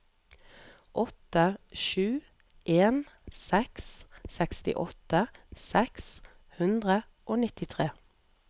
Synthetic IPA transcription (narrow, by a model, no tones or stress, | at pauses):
ʔɔt̪əʃʉː | ʔeːnsɛkssɛkst̪ɪ̰ʔɔt̪əsɛks | hʉnd̪ʁə | ʔoːnɪt̪ɪt̪ʰʁeː